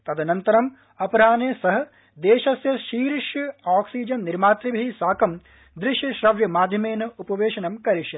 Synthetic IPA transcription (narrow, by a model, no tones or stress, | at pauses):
t̪ɐd̪ɐnɐnt̪ɐɾɐm | ɐpɐɾaːneːsɐɦɐ̆ | d̪eːʃɐsjɐʃiːɾiʃjɐaːksiːd͡ʒɐnːiɾmaːt̪ɾibɐɦisaːkɐm | d̪ɾɪʃjɐʃɾɐʋjɐmaːd̪ʱjɐmeːnɐupɐʋeːʃɐnɐmkɐɾiʃjɐ